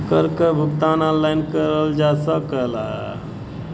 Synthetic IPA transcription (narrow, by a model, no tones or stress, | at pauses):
kəɾkəbʱukt̪anãllːajnkəɾəld͡ʒasəkəla